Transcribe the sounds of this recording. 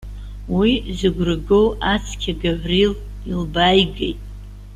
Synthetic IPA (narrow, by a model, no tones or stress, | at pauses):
wizɨɡʷrɨɡowat͡sʰkʲʰaɡaʕʷril | ilbajɡejtʼ